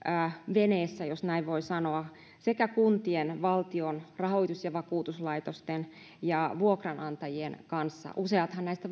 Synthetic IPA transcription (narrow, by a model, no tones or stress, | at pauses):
ʋeneːsːæjosnæiʋʋoisɑnoɑ | sekækunt̪ienʋɑlt̪ionrɑhoit̪usjɑʋɑkuːt̪uslɑit̪ost̪en | jɑʋuokrɑnɑnt̪ɑjienkɑnsːɑ̰ʔuseɑt̪hɑnnæist̪æ